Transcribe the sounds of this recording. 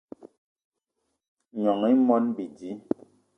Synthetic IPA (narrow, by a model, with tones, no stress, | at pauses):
ɲɔ˨ŋi˦mɔ˦nbi˨di˨˦